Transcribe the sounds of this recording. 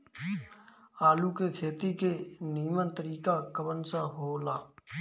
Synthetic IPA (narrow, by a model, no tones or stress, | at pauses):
aːlukekʰeːt̪ikeniːmənt̪əɾiːkakəbənsaɦoːlaː